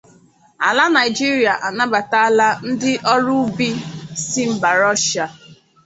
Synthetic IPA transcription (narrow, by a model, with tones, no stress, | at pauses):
a̰˨la˦na˨jɪ˨d͡ʒi˦ɾi˨a˨ʔa˨na˦ba˨ta˦a˦la˦n̩˦dɪ˦ʔɔ˦ɾʊ˦bi˦si˦m̩˨ba˨ɾɔ˦ʃa˨